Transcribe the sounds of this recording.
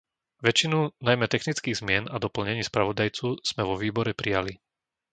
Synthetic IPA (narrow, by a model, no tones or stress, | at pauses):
ʋɛt͡ʃinunajmɛt̪ɛxnit͡skiːɣzmɪɛnad̪ɔpl̩ɲɛɲiːspɾaʋɔd̪ajt͡suz̥mɛʋɔʋiːbɔɾɛpɾijali